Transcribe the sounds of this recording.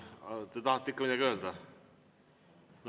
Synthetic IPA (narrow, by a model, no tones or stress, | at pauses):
ɑt̪et̪ɑhɑt̪ːikːɑmid̪æɡøːld̪ɑ | n